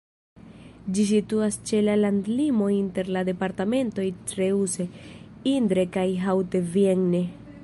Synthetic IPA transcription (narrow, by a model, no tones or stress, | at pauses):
d͡ʒis̬ituast͡ʃe̞lalandlimo̞inte̞ɾlade̞paɾtame̞nto̞jtɾeuse̞ind̪ɾe̞kajɦawtevjeŋne